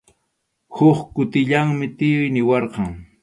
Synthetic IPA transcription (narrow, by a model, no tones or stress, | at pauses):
hʊχkʊt̪ɪʎaŋmɪt̪ɪjʊjnɪwɑɾqɑŋ